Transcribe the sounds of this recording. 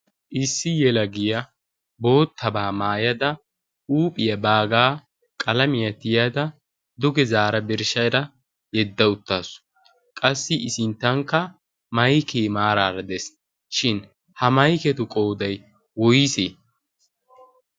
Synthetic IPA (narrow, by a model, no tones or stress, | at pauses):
ʔɪsːɪjɛlɐɡɪjɐ | bo̞ːt̪ʰːɐbaːmaːjɐd̪ɐ | ʔuːpʼɪjɐbaːɡaː | kʼɐlɐmɪjɐt̪ːɪjad̪ɐ | d̪ʊɡɛzaːɾɐbɪɾʃɐjɾɐ | jɛd̪ːɐʊt̪ːaːsʊ̥ | kʼɐsːɪʔɪsɪnt̪ːɐŋkːɐ | mɐjkejmaːɾaːɾɐd̪ɛs | ʃɪn | hɐmɐjkɛt̪ʊkʼo̞ːd̪ɐj | wɔjse